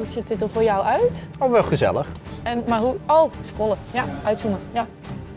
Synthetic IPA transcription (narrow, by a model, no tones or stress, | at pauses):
husɪt̚dɪt̚ərforjawœɥtofʋɛlˠχəzɛ̰lˠəχɛnmarɦuowskolˠəjaœɥtsunəja